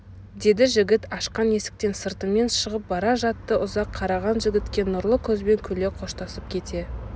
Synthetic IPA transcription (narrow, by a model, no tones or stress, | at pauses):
d̪e̞d̪ɪʒɪɡʲɪt̪ɑʃqɑne̞sɪ̥k̚t̪e̞nsəɾt̪əme̞nʃəʁəp̚bɑɾɑʒɑt̪ːəʔʊzɑqʰːɑɾɑʁɑnʒɪɡʲɪt̪kʲe̞nʊɾlˠəkʲʰɵzbe̞ŋkʲʰɵle̞qʰo̞ʃt̪ɑsəp̚kʲʰe̞t̪ʰe̞